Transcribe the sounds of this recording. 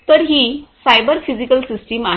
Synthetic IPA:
t̪əɾɦisajbəɾfid͡ʑikəlsisʈimaɦ

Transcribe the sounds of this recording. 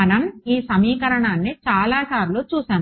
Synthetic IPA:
ɐnɐmiːsɐmiːkɐɾɐɳaːnːit͡ʃaːlaːsaːɾloːt͡ʃuːsaːm

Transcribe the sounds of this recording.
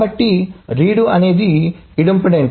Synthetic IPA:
ɐʈːiɾiːɽuɐne̞ːd̪iiɽɐmpɐɽeːɳ

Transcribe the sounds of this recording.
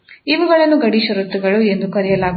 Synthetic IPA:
iʋuɡɐɭɐnːuɡɐɽiʃɐɾut̪ːuɡɐɭue̞nd̪ukɐɾijɐlaːɡu

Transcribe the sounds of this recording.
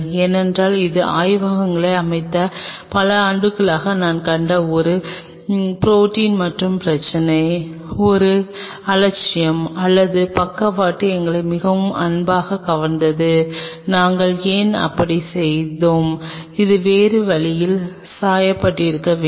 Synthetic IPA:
eːnɛndraːlɪðɯʔa̰ːjʋaːɣɐŋɡɐɭɐɪɐmɐɪt̪ːɐpɐlɐaːɳɖɯkːɐɭaːɣɐnaːnkɐɳɖɐɔɾɯ | pɾoːʈiːnmɐʈrɯmpɪɾɐt͡ʃːɐnɐɪɔɾɯ | ɐlɐt͡ʃːɪjɐmɐlːɐðɯpɐkːɐpːaːʈːɯɛŋɡɐɭɐɪmɪɣɐʋɯmɐ̰nbaːɣɐkɐʋɐnnd̪ɐðɯnaːŋɡɐɭeːnɐ̰pːɐɽisɛjðoːmɪðɯʋeːɾɯʋɐɭɪjɪl | saːjɐpːɐʈːɪɪɾɯkːɐʋeː

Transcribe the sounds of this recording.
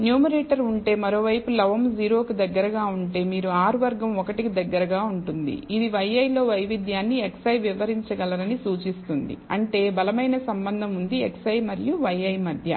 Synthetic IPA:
njuːmɐɾeːʈɐɾuɳʈe̞ːmɐɾo̞ːʋɐjpulɐʋɐmd͡ʒiːɾo̞ːkid̪ɐɡːɐɾɐɡaːuɳʈe̞ːmiːɾuaːɾuʋɐɾɡɐmɔkɐʈikid̪ɐɡːɐɾɐɡaːuɳʈund̪ḭid̪iʋɐjɐjlo̞ːʋɐjʋid̪jaːnːieksɐjʋiʋɐɾiɲt͡ʃɐɡɐlɐɾɐnisuːt͡ʃist̪und̪ḭɐɳʈe̞ːbɐlɐmɐjnɐsɐmbɐnd̪ʱɐmund̪ieksɐjmɐɾijuʋɐjɐjmɐd̪ʱjɐ̰

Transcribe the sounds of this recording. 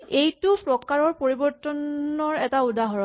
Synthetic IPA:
ejtupɹɔkaɹɔɹpoɹibɔɹtɔnɔɹɛtaudaɦɔɹɔ

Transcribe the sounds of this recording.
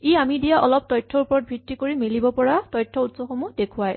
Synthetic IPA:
iamidijaʔɔlɔp̚tɔjtʰːɔɹupɔɹɔt̚bʱitːikoɹimilibɔpɔɹatɔjtʰːɔutsɔxomudekʰʊwaj

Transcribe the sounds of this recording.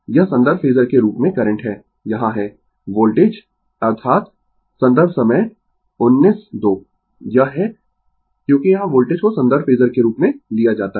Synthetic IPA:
jɐɦsɐ̃nd̪əɾfʰeːzəɾkeɾuːpmẽkɐɾə̃ɳʈɦɛː | jɐɦãɦɛ | ʋoːlʈeːd͡ʒ | ɐɾt̪ʰaːt̪ | sɐ̃nd̪əɾbʱsɐməj | ʊnːiːsd̪oː | jɐɦɦɛ | kjõːkijɐɦãʋoːlʈeːd͡ʒkosɐ̃nd̪əɾfʰeːzəɾkeɾuːpmẽlijad͡ʒaːt̪a

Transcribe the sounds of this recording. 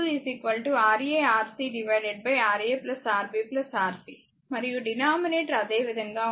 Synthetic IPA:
lisikʋɐlʈuaːɾeːaːɾsiːɖiʋɐjɖeɖ̚bɐjaːɾieːplɐsaːɾbiplɐsaːɾsi | mɐɾijuɖinaːmineːʈɐɾɐd̪e̞ːʋid̪ʱɐŋɡaː

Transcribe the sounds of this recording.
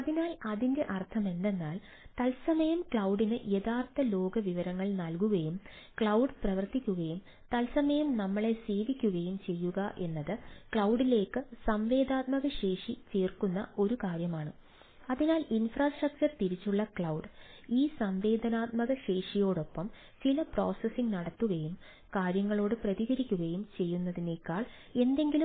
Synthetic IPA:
ɐðinaːlɐðinde̞ʔɐrt̪ʰɐme̞nd̪e̞nːaːl | t̪ɐlsɐmɐjɐmkɭɐwɖinɨʔje̞ðaːrt̪ːɐlo̞ːɡɐʋiʋɐɾɐŋːɐɭnɐlkuɣɐjum | kɭɐwɖɨprɐʋɐrt̪ikʲːuɣɐjum | t̪ɐlsɐmɐjɐmnɐmːɐɭe̞se̞ːʋikʲːuɣɐjumt͡ɕe̞jːuɣɐʔe̞nːɐðɨkɭɐwɖile̞ːkːɨsɐmʋe̞ːd̪aːt̪̚mɐɣɐɕe̞ːʂit͡ɕeːrkunːɐ̰o̞ɾukaːɾjɐmaːɳɨ | ɐðinaːlinfraːsʈrɐk̚t͡ɕɐrt̪iɾit͡ɕːuɭːɐkɭɐwɖ | iːsɐmʋe̞ːd̪ʱɐnaːt̪̚mɐɣɐɕe̞ːʂijo̞ːɽo̞pːɐm | t͡ɕilɐpro̞ːsɐsiŋnɐɽɐt̪ːuɣɐjum | kaːɾjɐŋːɐɭo̞ːɽɨprɐðiɣɐɾikʲːuɣɐjumt͡ɕe̞jːunːɐðine̞ːkːaːɭ | e̞nd̪e̞ŋɡilum

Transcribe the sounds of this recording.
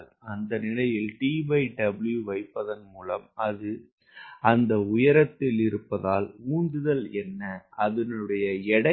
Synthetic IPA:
l | ɐnd̪ɐnɪlɐjɪlʈiːbɐɪɖɐbɪljuʋɐɪpːɐðɐnmuːlɐmɐðɯ | ɐnd̪ɐʊjɐɾɐt̪ːɪlɪɾɯpːɐðaːlmuːnd̪ɯðɐlɛnːɐɐðɐnɯɽɐjɐɛɽɐ

